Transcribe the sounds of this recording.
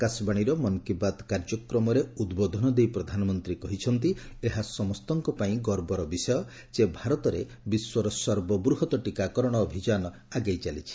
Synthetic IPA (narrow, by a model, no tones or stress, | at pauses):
kasbaɽ̃iɾɔmɔnkibad̪kaɾd͡ʒɔkɾɔmɔɾeud̪bod̪ʱɔnɔd̪ejpɾɔd̪ʱanɔmɔnt̪ɾikɔɦit͡ʃʰɔnt̪ieɦasɔmɔst̪ɔŋkɔpaĩɡɔɾbɔɾɔbisɔjɔ | t͡ʃebʱaɾɔt̪ɔɾe | biswɔɾɔsɔɾbɔbɾuɦɔt̪ɔʈikakɔɾɔɽ̃ɔːbʱid͡ʒanɔ | aɡajt͡ʃalit͡ʃʰi̥